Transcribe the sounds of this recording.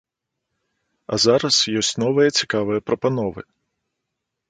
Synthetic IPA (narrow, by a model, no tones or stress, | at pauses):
ɐ̰zaɾɐsjɔsʲnɔʋɨjɐt͡sʲi̥kaʋɨjɐpɾɔpɐn̪ɔʋɨ̰